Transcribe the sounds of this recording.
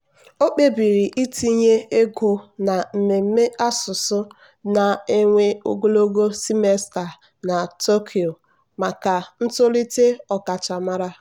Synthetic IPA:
o˦k͡pe˦bi˨ɾi˨ʔi˦ti˦ɲe˦e˦ɡo˦na˨m̩˨me˨m̩˦me˦ʔa˦sʊ˨sʊ˦ | na˨e˦ŋʷe˦o̰˦ɡo˦lo˦ɡo˦si˦me˦sta˨ | na˨to˦kʰi˨o˨ | ma˨ka˨n̩˦tʊ˦li˦te˦ɔ˨ka˨t͡ʃa˨ma˦ɾa˦

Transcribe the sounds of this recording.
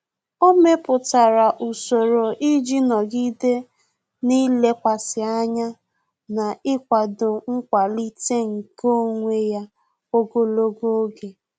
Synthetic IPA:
o˦me˦pʊ˨ta˨ɾa˨ʔu˨so˨ɾo˨ʔi˦d͡ʒi˦nɔ˨ɡi˦de˦ | ni˦le˦kʷa˨sɪ˨a˦ɲa˦ | na˨ɪ˦kʷa˨dʊ˨ŋ̩˦kʷa˨li˦te˦ŋ̩˨ko˦ŋʷe˦ja˦ | o˦ɡo˦lo˦ɡo˦ɡe˨

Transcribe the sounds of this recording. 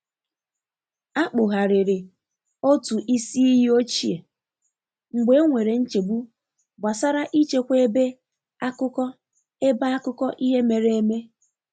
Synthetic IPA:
a˦k͡pʊ˨ɦa˨ɾɪ˨ɾɪ˨ | o˦tu˨ʔi˦si˦i˦ɦi˦o˦t͡ʃi˦˨e˨ | ŋ͡m̩˨ɡ͡be˦ŋʷe˨ɾe˨n̩˦t͡ʃe˨bu˦ | ba˨sa˦ɾa˦ʔi˦t͡ʃe˦kʷe˦e˦be˦ | a˦kʊ˦kɔ˦ | e˦ba˦a˦kʊ˦kɔ˦ʔi˦ɦe˦me˨ɾe˨e˦me˦

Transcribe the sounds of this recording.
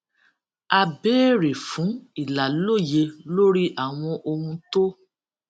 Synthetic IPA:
a˧beː˦ɾe˨fũ˨˦i˦˨la˨lo˦˨je˧lo˦ɾi˦ʔa˨w̃ɔ̃˧ʔo˧hũ˧to˦

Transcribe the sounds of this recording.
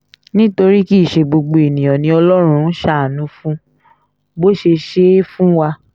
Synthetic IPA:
nĩ˦to˧ɾi˦ki˦˨ʃe˧ɡ͡bo˧ɡ͡bo˨e˨nĩ˨j̃ɔ̃˨nĩ˧ɔ˧lɔ˦ɾ̃ũ˧n˦ʃa˦˨a˨nũ˨˦fũ˦ | bo˦ʃe˧ʃe˦fũ˦wa˧

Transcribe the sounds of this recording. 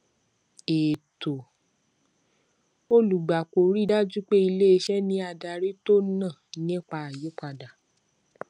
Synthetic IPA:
e˨to˨ | o˦lu˨ɡ͡ba˨ko˨ɾi˦˨da˦d͡ʒu˦k͡pe˦i˧le˦˧ʃɛ˦nĩ˧˦a˧da˧ɾe˦to˦nã˦˨nĩ˦˨k͡pa˧a˨je˨˦k͡pa˧da˨

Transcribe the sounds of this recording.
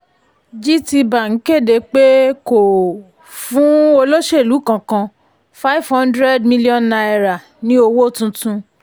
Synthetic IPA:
d͡ʒi˦ti˧ba˨ŋ̩˨˦ke˦˨de˨˧k͡pe˦ko˨ | fũ˨˦o˧lo˦ʃe˦˨lu˨˦kã˧kã˧ | fa˦i˦˨vhã˦ndɾɛ˦dmĩ˦li˦ɔ̃˦nːa˧ɛ˧ɾa˨ | nĩ˦o˧wo˦˨tũ˧tũ˧

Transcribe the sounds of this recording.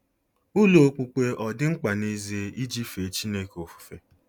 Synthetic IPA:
u˦lo˨k͡pu˨k͡pe˦ʔɔ˨dɪ˦ŋ͡m̩˦k͡pa˨ne˦ze˨i˦d͡ʒi˦fe˨t͡ʃi˦ne˦ko˨fu̥˨fe˨

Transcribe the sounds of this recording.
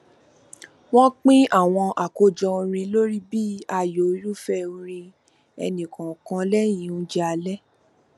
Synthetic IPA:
w̃ɔ̃˦k͡pĩ˦a˦˨w̃ɔ̃˧ʔa˨ko˧d͡ʒɔ˧o˧ɾ̃ĩ˧lo˦ɾi˦biː˦a˧˨jo˨˦ju˦fɛ˧õ˧ɾ̃ĩ˧ | ɛ̰˧nĩ˨kã˨kã˧˦lɛ˦j̃ĩ˨˦ũ˦d͡ʒɛ˦a˧lɛ˦

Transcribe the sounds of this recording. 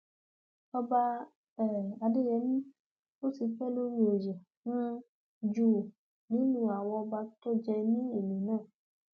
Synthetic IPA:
ɔ˧ba˧ | ɛ˨a˨de˦jɛ˨˦mĩ˦ | o˦si˧˦fɛ˦˨lo˦mĩ˦o˨jɛ˨ | nũ˦ | d͡ʒuː˦˨ | nĩ˨˦nũ˦a˨wɔ̃˧ba˧to˦d͡ʒɛ˧nĩ˦e˨mĩ˨nãː˦˨

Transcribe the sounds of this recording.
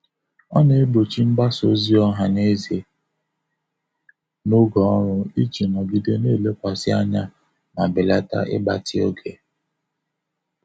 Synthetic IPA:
ɔ˦ne˨e˦bo˨t͡ʃi˦m̩˦ɡ͡ba˦so˨˦zi˦ɔ˦ɦa˨ne˦ze˨ | no˦ɡɔ˨ɔ˦ɾʊ˦i˦t͡ʃi˨nɔ˨ɡi˦de˦ne˦˨le˦kʷa˨sɪ˦a˦ɲa˦ | ma˨bɪ˨la˦ta̰˦ʔɪ̰˦ba˦tɪ˦o˦ɡe˨

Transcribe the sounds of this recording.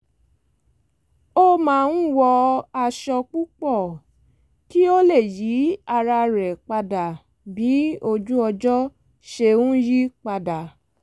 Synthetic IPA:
o˦mãː˦˧n̩˦wɔ˧a˧ʃɔ˧k͡pu˦k͡pɔ˦˨ | ki˦o˦le˦˨ji˨˦a˧ɾa˧ɾɛ˨k͡pa˧da˨ | bi˨˦o˧d͡ʒu˦ɔ˧d͡ʒɔ˦ | ʃe˧ũ˦ji˦k͡pa˧da˨

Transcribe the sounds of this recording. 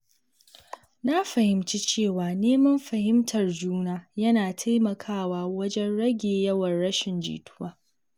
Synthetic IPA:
na˦ɸɐ˨hɪ˨mt͡ʃi˦t͡ʃeː˦˨waː˨neː˦mɐ˦mɸɐ˨hɪ˦mtʰɐ˨rd͡ʒuː˦naː˦jɐ˦naː˨tʰa˦jmɐ˨kʰaː˦waː˦wɐ˦d͡ʒɛ˦nɽɐ˦ɡʲeː˨jɐ˦wɐ˨nɽɐ˦ʃɪ˨nd͡ʒḭː˨tʰʊ̥˦waː˦

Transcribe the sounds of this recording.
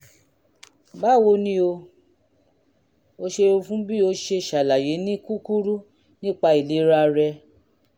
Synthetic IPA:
ba˦˨wo˧nĩ˦o˧ | o˧ʃe˧ɾo˧fũ˦bi˦o˧˦ʃe˧˨ʃa˨la˨je˨˦nĩ˦ku˦ku˦ɾu˦ | nĩ˦˨k͡pa˧i˨le˨˦ɾa˧ɾɛ˧

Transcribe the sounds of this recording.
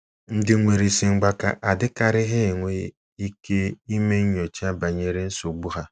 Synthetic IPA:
n̩˦dɪ˦ŋʷe˨ɾi˨si˨ŋ͡m̩˦ɡ͡ba˦ka̰˨ʔa˨dɪ˦ka˨ɾɪ˦ɦɪ˦˨ŋʷe˨˦ | i˦ke˦i˦me˦ɲ̩˦ɲ˦o˨t͡ʃi˦a˦ba˨ɲe˦ɾe˦n̩˦so˨ɡ͡bu˦ɦa˦

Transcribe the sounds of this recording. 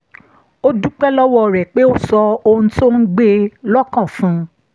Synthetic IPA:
o˦du˦k͡pɛ˦lɔ˦wɔ˦˨ɾɛ˨k͡pe˦o˦sɔ˧o˧ũ˧to˦n̩˦ɡ͡be˦lɔ˦kã˦˨fũ˦

